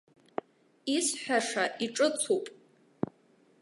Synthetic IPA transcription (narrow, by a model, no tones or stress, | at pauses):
isħʷᶣaʂaʔiʈ͡ʂʼɨt͡sʰupʼ